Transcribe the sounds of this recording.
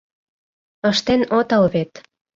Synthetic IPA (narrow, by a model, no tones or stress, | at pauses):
əʃt̪enot̪ɤlβet̪